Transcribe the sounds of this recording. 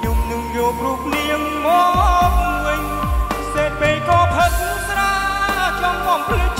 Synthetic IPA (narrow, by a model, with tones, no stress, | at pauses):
ɲu˧˩mnɨ˧ŋjoː˧p̚ru˧əp̚ni˧əŋ | mɔ˧k̚mɨ˧əɲ | seː˧t̪̚ɓeː˧jkɔː˧pʰə˧t̪̚ | sɾaː˧t͡ɕɔ˧ŋkɔ˧˩mpʰli˧ə